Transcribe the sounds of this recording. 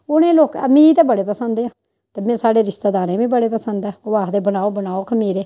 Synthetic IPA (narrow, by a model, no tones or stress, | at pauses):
ʊnẽːloːkːmĩːt̪eːbəɽeːpəsənd̪eːãː | t̪eːmɛ̃ːsaːɽeːɾɪʃt̪aːd̪aːɾẽːʋĩːbəɽeːpəsənd̪ɛːʊʋaːd̪eːbənaːoːbənaːoːkʰəmiːɾeː